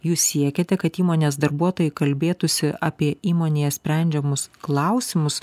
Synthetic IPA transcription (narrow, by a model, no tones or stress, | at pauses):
juːssʲiɛkʲet̪ʲɛkɐt̪iːmoːnʲeːsd̪ɐɾbuɔt̪oːjɛɪkɐlʲbʲeːt̪ʊsʲɪʔɐːpʲiɛʔiːmoːnʲeːɛsʲpʲɾʲɛnʲd͡ʒʲɛmʊsklˠɑʊsʲɪmʊs